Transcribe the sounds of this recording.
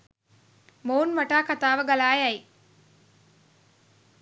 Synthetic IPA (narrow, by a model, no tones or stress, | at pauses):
mounʋaʈaːkat̪aːʋəɡalaːjæji